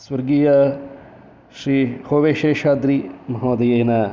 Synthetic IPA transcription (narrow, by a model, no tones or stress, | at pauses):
swɐɾɡiːja | ʃɾiːhoːʋeʃeːʃaːd̪ɾiːmɐɦõːd̪ejena